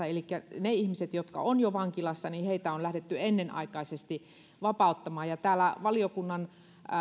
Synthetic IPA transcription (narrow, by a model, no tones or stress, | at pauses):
ɑelikːæneihmiset̪jot̪kɑ̰onjoʋɑŋkilɑsːɑniheit̪æonlæhɾet̪ːyenːenʔɑ̰ikɑisest̪i | ʋɑpɑˑut̪ːɑmɑːjɑt̪æːlæʋɑliokunːɑn